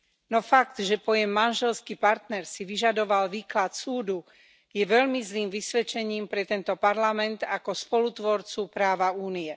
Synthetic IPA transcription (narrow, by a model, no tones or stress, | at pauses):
nɔfaɡd̪ʒɛpɔjɛmːanʒɛlskipaɾt̪nɛɾsiʋiʒad̪ɔʋalʋiːklat̪suːd̪u | jɛʋɛʎmizliːmʋisʋɛt͡ʃɛɲiːmpɾɛt̪ɛnt̪ɔpaɾlamɛnt̪akɔspɔlut̪ʋɔɾt͡supɾaːʋauːniɛ